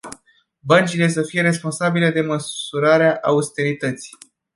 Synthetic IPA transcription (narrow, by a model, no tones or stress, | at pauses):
bənt͡ʃile̞s̬əfije̞ɾe̞spo̞nsabile̞d̪e̞məuɾaɾeaʔaust̪e̞ɾit̪ət̪si̥